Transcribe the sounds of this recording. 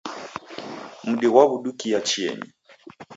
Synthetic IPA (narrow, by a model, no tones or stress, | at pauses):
m̩ɗiɣwaβuɗukijat͡ʃiɛ̰ɲḭ